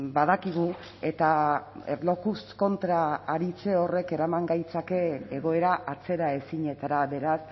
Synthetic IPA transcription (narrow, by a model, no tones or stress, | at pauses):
baðakiɣ̞u | e̞t̪aelo̞kusko̞nt̪ɾaːɾit͡se̞o̞re̞ke̞ɾamaŋɡajt͡sake̞ːɣ̞o̞e̞ɾaʔat͡se̞ɾae̞siɲe̞t̪aɾaβe̞ɾas